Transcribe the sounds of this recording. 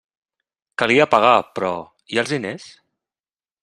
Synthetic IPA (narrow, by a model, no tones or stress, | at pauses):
kaliapaɣ̞apɾɔ̰ | ialˠzðines